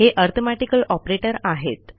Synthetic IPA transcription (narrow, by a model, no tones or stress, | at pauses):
ɦeʔəɾt̪ʰomaʈikəlɔpɾeʈəɾaɦet̪